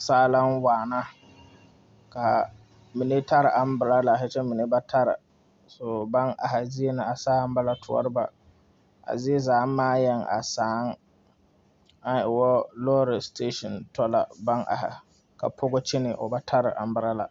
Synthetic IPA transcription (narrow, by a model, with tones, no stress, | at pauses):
saː˦la˦n˦waː˨na˦ | ka˨ | mi˨ne˦ta˦ɾɪ˨ʔa˨m˦bɨ˨ɾa˦la˨ɦa˦t͡ʃɛ˦mi˨ne˦ba˦tʰa˦ɾɪ̰˨ | so˨ba˦ŋʔa̰˨ɦa˨zi˦e˦nɨ˨a˨saː˦m˦ba˦la˦tʰʊ˦ɔ̰˦ɾɨ˦ba̰˨ | a̰˨zi˦e˦zaː˨˦maː˦jɛ˦ŋʔa̰˨saː˨˦ŋ˦ | a˦n˨ɪ˨wɔ˦lɔː˦ɾɪ˨ste˦ʃɔ˨ntɔ˦la̰˨ba˦ŋʔa̰˨ha̰˨ | ka̰˨pʰʊ˦ɡʊ˦t͡ʃɪ˦nɪ˨ʔo̰˨ba˦tʰa˦ɾɪ˨ʔa̰˨m˦bɨ˨ɾa˦la̰˨